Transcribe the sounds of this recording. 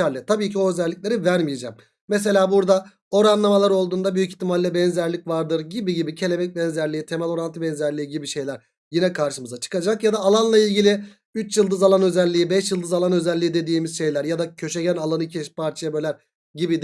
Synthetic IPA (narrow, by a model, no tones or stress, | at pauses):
æɾlʲɛt̪ʰabiːcʰio̞øzɛlʲːic̚lʲe̞ɾivæɾmije̞d͡ʒɛmː | ɛs̬e̞lʲaːbuɾd̪a | o̞ɾanlˠamalˠaɾo̞lˠd̪uːnd̪abyjyci̥çt̪ʰːimalʲːɛbɛnzæɾlʲicvaɾd̪ɯɾɟibiɟibicʰe̞lʲebɛc̚bɛnzæɾlʲiit̪ʰe̞mɛlʲo̞ɾant̪ʰɯbɛnzæɾlʲiːiɟibiʃe̞jlʲæɾ | jinɛkʰaɾʃɯmɯzat͡ʃʰɯ̥kad͡ʒakjad̪aːlˠanlˠailʲɟilʲi | yt͡ʃjɯlˠd̪ɯzalˠanø̞zɛlʲːiːibɛʃjɯlˠd̪ɯzalˠanø̞zælʲːiid̪ed̪iːmizʃe̞jlʲæɾjad̪acʰø̞ʃeɟænalˠanɯcʰɛʃpʰaɾt͡ʃʰajabølʲæɾ | ɟibid̪